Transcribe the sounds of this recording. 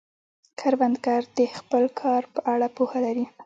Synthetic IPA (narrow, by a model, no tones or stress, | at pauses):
kʰaɾwand̪ɡaɾd̪̥əxpəlkʰɑɾpəʔaɽapuhalaɾi